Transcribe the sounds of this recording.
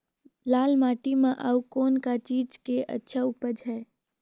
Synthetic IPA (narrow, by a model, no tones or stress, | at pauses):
laːlmaːʈimẽʔəwkoːnkat͡ʃiːd͡ʒkeʔə̰tːʃʰaupəd͡ʒɦɛː